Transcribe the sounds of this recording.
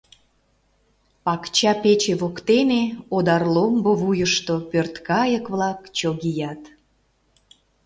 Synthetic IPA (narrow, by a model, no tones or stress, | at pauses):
pɑkt͡ɕɑpet͡ɕeβokt̪eneod̪ɑrlomboβujəʃt̪opørt̪kɑjəkβlɑkt͡ɕoɣijɑt̪